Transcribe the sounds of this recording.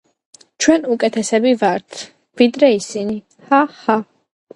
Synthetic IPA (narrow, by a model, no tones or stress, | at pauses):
t͡ʃʰwɛnukʼɛt̪ʰɛsɛbivaɾt̪ʰ | vid̪ɾɛisini | haha